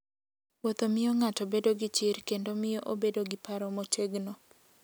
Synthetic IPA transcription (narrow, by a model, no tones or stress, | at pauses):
wot̪omɪjoŋatobedoɡɪt͡ʃɪɾkendomɪjoʔobedoɡɪpaɾɔmot͡ʃeɡno